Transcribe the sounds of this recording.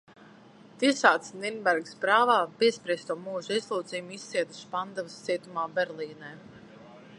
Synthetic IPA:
t̪isaːt̪sninbɛɾɡspɾaːvaːbiɛspɾiɛst̪uɔmuːʒuizlˠuːt̪zijumist̪ːiɛd̪u̥spand̪avɨst̪iɛt̪umaːbɛɾliːnɛː

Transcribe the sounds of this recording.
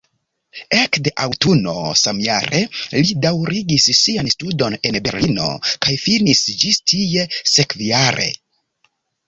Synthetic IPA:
ekde̞ʔawtuno̞̰samja̰ɾʔe̞lidawɾʔiɡissianstudo̞ne̞nbe̞̰ɾlino̞̰kajfinisd͡ʒistʰije̞sekvjaɾʔe̞̰

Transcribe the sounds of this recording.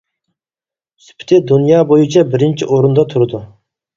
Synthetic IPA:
spʰɪ̥t̪ʰɪd̪unjɑːbojut͡ʃʰɛbɪɾɪnt͡ʃʰiʔoɾund̪ɑt̪ʰuɾɨd̪u

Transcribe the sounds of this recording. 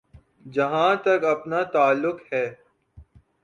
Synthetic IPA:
d͡ʒɐɦãːt̪ɐkɐpnat̪aːlːʊkhɛː

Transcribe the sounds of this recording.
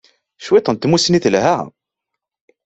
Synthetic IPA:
ʃwit̪ˤənt̪musniθlɦæ

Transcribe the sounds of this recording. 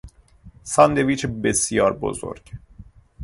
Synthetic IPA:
sɒnd̪eviːt͡ʃʰebesjɒːɾbo̰zo̰ɾɟ̥

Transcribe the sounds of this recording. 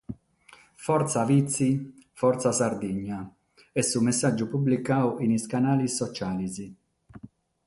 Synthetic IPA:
fɔɾt̪savit̪sːifɔrt̪sasaɾd̪iɲːa | ɛsːumɛsːad͡ʒːupublikaːwʔiniskanaːlisːɔt͡ʃaːlizi

